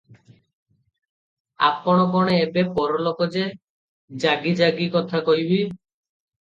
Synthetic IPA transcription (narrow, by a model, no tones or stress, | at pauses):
a̰pɔɽ̃ɔkɔɽ̃eebepɔɾɔlokɔd͡ʒe | d͡ʒaɡid͡ʒaɡikɔt̪ʰakɔɦibi